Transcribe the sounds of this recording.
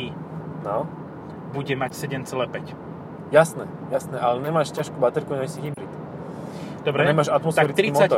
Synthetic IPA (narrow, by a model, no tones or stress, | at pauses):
i | nɔ | buɟɛmacsɛɟɛmt͡sɛlɛːpɛc | jasnɛ | jasnɛʔalɛɲɛmaːʃcaʃkuːbat̪ɛɾkuɲɛsiɦibɾit̪ | d̪ɔbɾɛɲɛmaːʃat̪mɔst̪aɛɾit͡st̪ɾiimt͡sɔat̪ɔ